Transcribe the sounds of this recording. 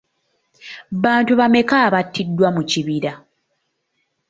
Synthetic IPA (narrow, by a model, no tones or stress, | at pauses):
βaːntuβame̞kaːβatːidːwamuciβiɾa